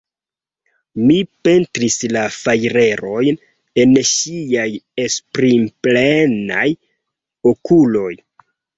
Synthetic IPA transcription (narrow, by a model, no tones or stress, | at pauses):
mipe̞ntɾislafajɾe̞ɾo̞jn | e̞nʃiajespɾimplena̰j | o̞kulo̞j